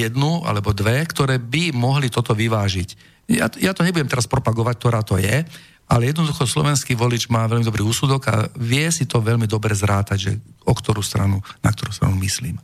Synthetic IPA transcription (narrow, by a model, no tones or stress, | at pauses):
jɛd̪nua̰lɛbɔd̪ʋɛkt̪ɔɾɛːbimɔɦlit̪ɔt̪ɔʋiʋaːʒic | ja̰jat̪ɔɲɛbuɟɛmt̪ɛɾaspɾɔpaɡɔʋac̚t̪ɔɾaːt̪ɔjɛ | alɛjɛd̪nɔd̪uxɔslɔ̰ʋɛnskiːʋɔlit͡ʃmaːʋɛlmid̪ɔbɾiːuːsud̪ɔɡa̰ʋɪɛsit̪ɔʋɛʎmid̪ɔbɾɛzɾaːt̪aɟʒɛ̰ɔkt̪ɔɾuːst̪ɾanuna̰kt̪ɔɾuːst̪ɾa̰numislḭːm